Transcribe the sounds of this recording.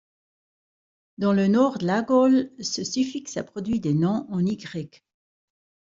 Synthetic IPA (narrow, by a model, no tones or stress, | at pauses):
d̪ɑ̃lənɔʁd̪əlaɡɔlsəsyfiksa̰pχɔd̪ɥid̪enɔ̃ʔɑ̃niɡʁɛk